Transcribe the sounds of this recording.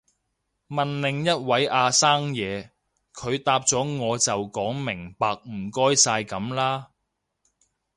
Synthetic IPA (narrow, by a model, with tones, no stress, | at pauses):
mɐ˨nlɪ˨ŋjɐ˥t̚wɐ˨˥jʔaː˧saː˥ŋjɛː˨˧ | kʰɵ˨˧ɥt̪aː˧p̚t͡sɔː˨˥ŋɔː˨˧t͡sɐ˨wkɔː˨˥ŋmɪ˨˩ŋpaː˧k̚m̩˨˩kɔː˥jsaː˧jkɐ˨˥mlaː˥